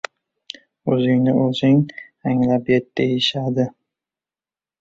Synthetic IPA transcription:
ɵzɪŋnɪʔɵzɪŋ | aŋlapjet̪̚d̪ejɪʃad̪ɪ

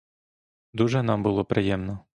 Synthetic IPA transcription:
d̪uʒɛnɑmbʊlˠɔpɾɪjɛmnɔ

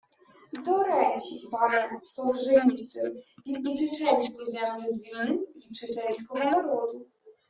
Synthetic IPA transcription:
d̪ɔɾɛt͡ʃipaɾɛsɔwʒɪnʲit̪sɪvʲinʲit͡ʃɪt͡ʂɛlʲsʲkʲizɛmlʲuzʲvʲinnɪmvʲit͡ʂɪt͡ʂɛlʲsʲkɔɦɔnaɾɔd̪u

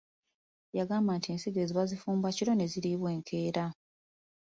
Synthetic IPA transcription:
jaɡaːmbantie̞ːnsiɡe̞ziβazifuːmbaciɾo̞ne̞ziɾiβwe̞ːŋkʰe̞ːɾa

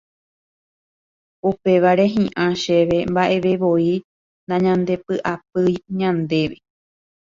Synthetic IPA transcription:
upe̞ʋaɾe̞ɦĩʔãʃe̞ʋe̞mbaʔe̞ʋeʋoi | nd̪aɲãnd̪e̞pɨʔap̚ɨjɲãnd̪e̞ʋe

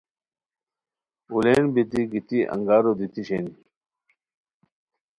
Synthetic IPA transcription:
uleːnbit̪iɡit̪iʔɐ̰̃ŋɡaːɾod̪it̪iɕeːni

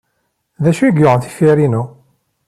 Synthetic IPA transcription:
ðæʃuiɡʊʁənθi̥fiɾinu

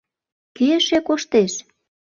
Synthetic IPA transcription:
keʃekoʃt̪eʃ

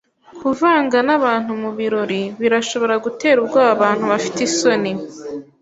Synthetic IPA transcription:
kʰuvaːŋɡanaβaːn̥humuβiɾo̞ɾiβiɾaʃo̞βo̞ɾaɡute̞ːɾubɡwaːβaβaːn̥huβafi̥teso̞ni

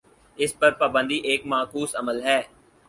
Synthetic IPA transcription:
ɪspɐɾpaːbə̃nd̪iʔeːkmaːkuːsəməlɦɛː

